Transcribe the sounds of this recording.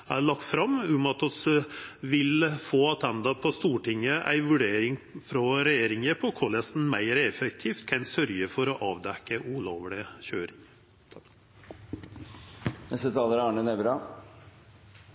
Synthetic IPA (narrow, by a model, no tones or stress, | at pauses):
æɭɑkt̪fɾɑmʉmɑt̪ʰɔsʋɪlfoːɑt̪ʰɛnd̪ɑpʰɔst̪uːʈɪŋːəʔæ̰ɪʋʉɖeːɾɪŋfɾɔɾɛjeːɾɪŋəpʰɔkʰɔlɛst̪n̩mæɪɾɛfɛk̚t̪ʰiːft̪kʰɛnsœɾjəfɔɾɔʔɑːʋd̪ɛkːəʔʊloːʋlɪçøːɾɪŋ | nɛst̪ət̪ʰɑːləɾɑːɳənɛʋɾɑ